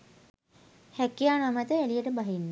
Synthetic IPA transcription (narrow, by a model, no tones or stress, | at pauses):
hækijaːnamət̪əælijəʈəbaɦinː